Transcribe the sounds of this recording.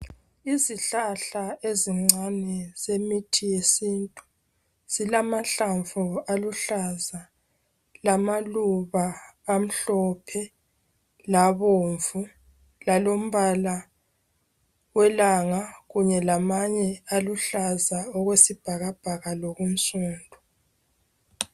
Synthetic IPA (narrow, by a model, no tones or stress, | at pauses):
iziɬaɬaeziŋ͡ǀanɛz̥emitʰijesintʼu | z̥ilamaɬaɱvualuɬaza | lamaluβaːm̩ɬɔpʰɛ | laβoːɱvu | lalom̩βala | wɛlaŋaɣuɲɛlamaɲɛaluɬazaɔɣwesib̥ʱaɣab̥ʱaɣalɔɣum̩suːndʱɔ